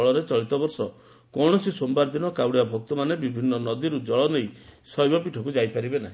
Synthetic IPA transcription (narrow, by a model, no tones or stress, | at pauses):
ɭɔɾet͡ʃɔɭit̪ɔbɔɾsɔ | kɔɽ̃ɔsisombaɾd̪inɔkawɽijabʱɔk̚t̪ɔmanebibʱinːɔnɔd̪iɾud͡ʒɔɭɔnejsɔjbɔpiʈʰɔkud͡ʒajpaɾibenaɦi